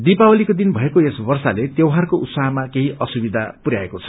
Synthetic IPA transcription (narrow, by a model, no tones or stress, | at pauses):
d̪ipawʌlikod̪inbʱʌekoesbʌrsalet̪jewɦarkoʔut̪saɦmakeɦĩʔʌsubid̪ʱapuɾja̰ekot͡sʰʌ̥